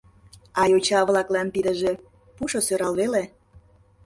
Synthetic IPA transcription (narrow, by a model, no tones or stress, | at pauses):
ɑjot͡ɕɑβlɑklɑnpid̪əʒe | puʃosøɾɑlβele